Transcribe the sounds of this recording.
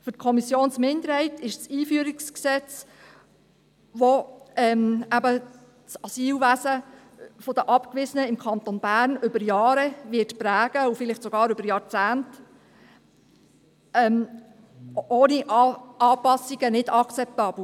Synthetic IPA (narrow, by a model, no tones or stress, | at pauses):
fʏt̚kʰɔmisjoːnsmɪnd̪əɾhɛɪtɪʃsiːfyəɾɪksksɛt͡s | ʋoɛmæbə | sɑsiːlʋæsə | fod̥əʔɑpkʋɪzənəɪmkʰɑnt̪onb̥æːɾnʏbəɾjɑːɾɛʋɪtpɾæːɡ̥əufɪlɪχtsɔɡ̥ɑːɾʏbəɾjɑɾt͡sæːnt | ɛm | oːniʔɑːpɑsiɡ̥ənɪdɑkt͡sɛp̚t̪ɑːb̥l̩